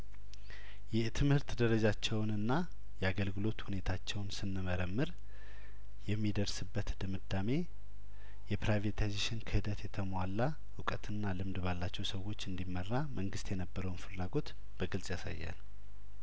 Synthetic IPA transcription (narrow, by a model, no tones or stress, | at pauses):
jɛht̪ʰɨmhɨɾt̪d̪əɾəd͡ʒat͡ʃːɛwnɨnːa | jɛaɡəlɡɨlo̞t̪hune̞t̪ʰat͡ʃːɛwnsɨnːɨməɾəmːɨɾ | jɛmːid̪əɾsɨbːət̪d̪ɨmɨd̪ame̞ | jɛpɾajvet̪ʰajzeʃɪnkʰəhɨd̪ət̪jɛt̪ʰəmwalːa | hʊkʼət̪ʰɨnːalɨmd̪balːat͡ʃːɛwsəwo̞t͡ʃːɨnd̪imːərːamʔəŋɡɨst̪jɛnəbːəɾəwnfɨlːaɡo̞t̪ | b̥əɡɨlsʼjasa̰jːa̰l